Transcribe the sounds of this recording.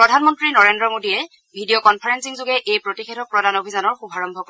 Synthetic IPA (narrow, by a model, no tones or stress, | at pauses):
pɹɔdʱanmɔntɹinɔɹendɹɔmodiɛ | bʱidijɔkɔnpʰaɹɛnsiŋzʊɡɛʔejpɹotixɛtʰɔk̚pɹɔdanobʱizanɔɹxubʱaɹɔmbʱɔkɔ